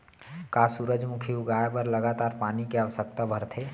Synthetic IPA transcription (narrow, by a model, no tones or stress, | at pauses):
kaːsuɾəd͡ʒʱmʊkʰiuɡaːjpəɾləɡat̪aːɾpaːnikeaʋəsək̚t̪abʱəɾt̪ʰeː